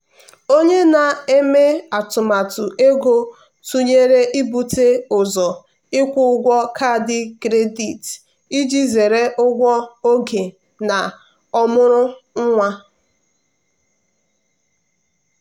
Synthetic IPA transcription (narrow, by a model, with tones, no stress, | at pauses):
o˦ɲe˦na˨e˦me˦a˨tʊ˨ma˨tʊ˨e˦ɡo˦ | tu˦ɲe˦ɾe˦ʔi˦bu˨te˦ʊ˨zɔ˨ | ɪ˦kʷʊ˦ɡʷɔ˦kʰa˦˨dɪ˦kɾe˦di˨t | i˦d͡ʒi˦ze˨ɾe˦ʔʊ˦ɡʷɔ˦o˦ɡe˨ | na˨ | ɔ˦mʊ˦ɾʊ˦ŋ̩˦ŋʷa˦